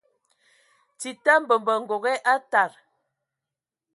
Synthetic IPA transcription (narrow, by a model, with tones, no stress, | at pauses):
ti˨ta˦mbə˨mbə˨ŋ̩˨ɡo˨ɣɛ˦ʔa˦ta˨ɾ